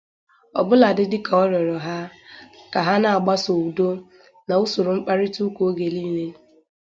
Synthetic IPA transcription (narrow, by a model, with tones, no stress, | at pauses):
ɔ˨bʊ˦la˨dɪ˦dɪ˦ka˨ɔ˦ɾɔ˨ɾɔ˨ɦa˦ka˨ɦa˦na˨a˨ɡ͡ba˦so˨u˨do˦ | na˨u˦sʊ˨ɾʊ˨ŋ͡m̩˦k͡pa˦ɾɪ˦tu˦ko˨o˦ɡe˨li˦ne˦